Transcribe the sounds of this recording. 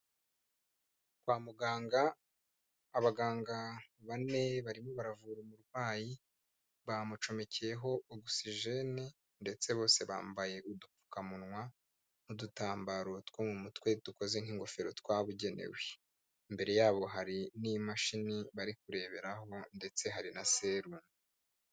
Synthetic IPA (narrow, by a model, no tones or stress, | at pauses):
kwaːmuɡaːŋɡaː | βaɡaːŋɡaβane̞βaɾimo̞βaɾavuɾomuɾɡwaːji | βamut͡ʃo̞me̞ce̞jeɦo̞oɡusiʒe̞ne | nde̞t͡se̞βo̞ːse̞βa̰ːmbaje̞ʔudupu̥kamunŋwa | n̥udutaːmbaɾo̞twoːmumutwe̞tuko̞ze̞ŋ̥hiŋɡo̞fe̞ɾo̞t̪waːβuɟe̞nḛwe̞ | imbe̞ɾe̞jaːβo̞ɦaɾinimaʃiniβaɾik̚uɾe̞ːβe̞ɾaho̞nde̞t͡se̞ɦaɾinase̞ɾuni